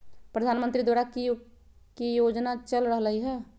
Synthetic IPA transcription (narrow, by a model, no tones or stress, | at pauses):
pɾəd̪ʱaːnmə̃nt̪ɾid̪waːɾaki | kijod͡ʒnat͡ʃəlɾəɦləiɦɛː